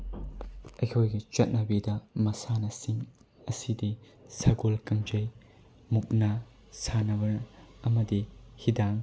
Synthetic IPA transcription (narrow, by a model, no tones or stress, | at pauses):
ɐjkʰojɡit͡ʃɐt̚nɐbidɐmɐsanɐsiŋ | ɐsidi | saɡolkɐŋd͡ʒɐj | muk̚na | sʰanɐbɐɾɐmɐdihidaŋ